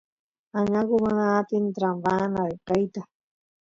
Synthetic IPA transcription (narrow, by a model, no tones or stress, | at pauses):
aɲaɡʊmanaːt̪int̪ɾambanakajt̪a